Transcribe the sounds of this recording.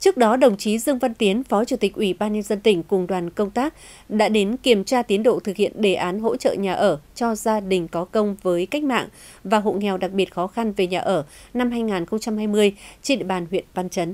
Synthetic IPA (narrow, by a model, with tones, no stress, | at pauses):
t͡ɕɨ˦˥ək̚ɗɔ˨˦ɗə˨˩wŋ͡mt͡ɕi˨˦zɨ˧əŋva˧nt̪i˨˦ənfɔ˨˦t͡ɕu˧˩t̪ï˨˩k̟̚ʔwi˧˩ɓaː˧nɲə˧nzə˧nt̪ï˧˩ŋ̟kʊ˨˩ŋ͡mɗwaː˨˩nkə˧wŋ͡mt̪aː˦˥k̚ | ɗa̰ː˧˥ɗe˨˦nki˧˩əmt͡ɕaː˧t̪i˨˦ənɗo̰˧˨t̪ʰɨ˨k̚hḭ˧˨ənɗe˧˩ʔaː˨˦nɦo̰˧˥t͡ɕə̰ː˧˨ɲaː˨˩ʔəː˧˩t͡ɕɔ˧zaː˧ɗï˨˩ŋ̟kɔ˨˦kə˧wŋ͡mvəː˨˦jka˦˥jk̟̚ma̰ː˧˨ŋ | vaː˨˩ɦo̰˧˨ŋɛ˨˩wɗa˨˩k̚ɓi˨˩ət̚xɔ˨˦xa˧nve˨˩ɲaː˨˩ʔəː˧˩na˧mhɦaː˧jŋaː˨˩nxə˧wŋ͡mt͡ɕa˧mhaː˧jmɨ˧əjt͡ɕe˧nɗḭ˧˨ɓaː˨˩nhwḭ˧˨ənva˧nt͡ɕə˨˦n